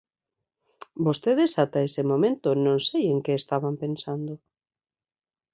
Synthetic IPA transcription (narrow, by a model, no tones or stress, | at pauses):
bost̪eðesat̪aesemõmẽnt̪onõŋsejeŋkeest̪aβampensand̪o